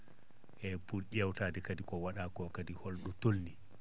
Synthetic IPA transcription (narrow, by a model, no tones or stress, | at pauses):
ʔɛpulʔʲɛwtaːdɛkadikɔwaɗakɔkadihɔlɗɔtolːi